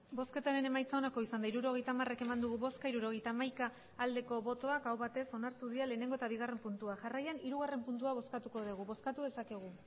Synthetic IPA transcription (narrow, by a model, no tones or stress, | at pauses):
bo̞ske̞t̪aɾe̞ne̞majt͡sao̞nako̞isand̪aiɾuɾo̞ɣ̞e̞jt̪aːmare̞ke̞mand̪uɣ̞uβo̞skaiɾuɾo̞ɣ̞e̞jt̪aːmajkaː | ld̪e̞ko̞βo̞t̪o̞akawβat̪e̞so̞naɾt̪uðiale̞ːne̞ŋɡot̪aβiɣ̞are̞mpunt̪uaʝarajaniɾuɣ̞are̞mpunt̪uaβ̞o̞skat̪uko̞ðiɣ̞uβo̞skat̪uðe̞sakeɣ̞u